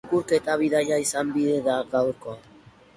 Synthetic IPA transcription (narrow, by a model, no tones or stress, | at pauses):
kuɾke̞t̪aβiðaʎaisambiðeðaɡawɾko̞a